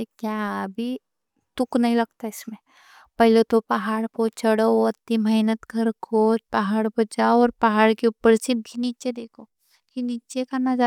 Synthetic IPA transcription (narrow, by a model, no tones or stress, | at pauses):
ekjaːəbʱi | t̪ʊknɐɦĩlɐɡ̚t̪aɪsmẽ | pɐɦlet̪opɐɦaːɽkot͡ʃʰəɽoɐt̪ːimɐɦnət̪ɡɐɾkʰoːpɐɦaːɽpɐd͡ʒaːɔːɾpɐɦaːɽkeupːəɾsɪb̚kiniːt͡ʃed̪eːkʰoː | kiniːt͡ʃekanad͡ʒa